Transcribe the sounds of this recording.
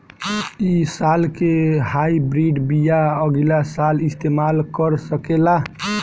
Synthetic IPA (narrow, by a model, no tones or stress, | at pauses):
isalkehaibɾiɖbijaəɡilasalist̪emalkəɾsəkela